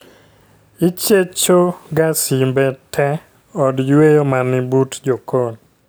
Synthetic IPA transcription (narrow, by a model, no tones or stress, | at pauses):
it͡ʃet͡ʃoɡasimbɛtʰɛ | ɔdjwejomanɪbutd͡ʒokon